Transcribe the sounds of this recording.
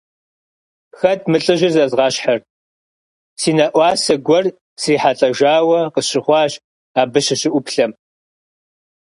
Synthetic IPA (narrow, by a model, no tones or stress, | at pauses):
xɐtmɨɬʼɨʒɪrzɐzʁɑːɕħar | siːnɐʔʷɑːsɐɡʷɔr | siːħaɬʼɐʒaːwɐqəɕɪχʷɑːʒ | aːbɨɕɐɕɪʔʷʊpɬɐm